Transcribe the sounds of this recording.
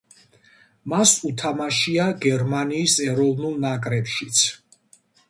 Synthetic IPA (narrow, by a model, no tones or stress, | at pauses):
masut̪ʰamaʃiaɡɛɾmaniːsɛɾɔvnulˠnakʼɾɛpʃit̪sʰ